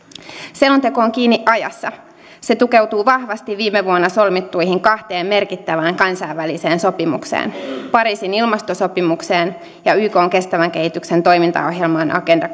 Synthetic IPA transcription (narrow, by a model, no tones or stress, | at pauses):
selont̪e̞ko̞ːŋkiːnːiʔʔɑjɑ̰sːɑ | se̞t̪uke̞wt̪uːʋɑhʋɑst̪iʋːiːmeʋuonːɑso̞lmit̪ːujɦiŋkɑht̪e̞ːmme̞rkit̪ːæʋæːŋkɑnsɑiʋʋælise̞ːnso̞pimṵksḛːnpɑɾiːsinilmɑst̪oso̞pimukse̞ːn | jɑyːko̞ːŋke̞st̪æʋæŋk̟e̞hit̪ykse̞nt̪o̞jmint̪ɑ̰o̞̰ɦjelmɑːnʔɑ̰ke̞ndɑ